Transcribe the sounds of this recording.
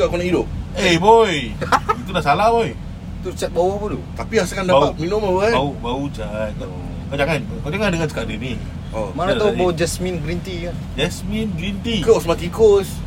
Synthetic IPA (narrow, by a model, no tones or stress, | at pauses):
aʔkonaʔidʊp̚ebojit̪udaʔsalaboj | t̪ut͡ʃɛt̪̚bawapud̪ut̪apiasakandapat̪̚minʊmaluaaubaut͡ʃat̪̚a | kad͡ʒaŋan | kad͡ʒaŋandəŋansə̥kaʔdəni | omaɾat̪abawɔd͡ʒɛsminɡɾint̪ikand͡ʒɛsminɡɾint̪ikosmak̪ikos